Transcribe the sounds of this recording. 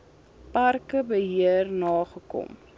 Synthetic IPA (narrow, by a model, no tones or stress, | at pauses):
pɐrkəbəɦiərnɑːχəkɔ̰m